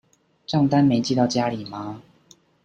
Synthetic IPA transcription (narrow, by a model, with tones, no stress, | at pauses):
ʈ͡ʂɑ˥˨ŋt̪a˦nme˨˥ɪt͡ɕi˥˧t̪ɑ˥˩ʊt͡ɕja˦˥li˨˩ma˨˦